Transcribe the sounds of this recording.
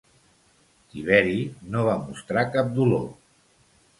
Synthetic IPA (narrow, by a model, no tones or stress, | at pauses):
t̪iβ̞ɛɾinoβamust̪ɾakap̚d̪ulo̰